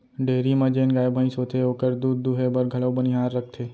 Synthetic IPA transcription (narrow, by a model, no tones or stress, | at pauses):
ɖeːɾimə̃d͡ʒeːnɡaːjbʱə̃ĩsot̪ʰeokəɾd̪uːd̪ːuɦebəɾɡʱəɭobəniɦaːɾːək̚ʰt̪ʰeː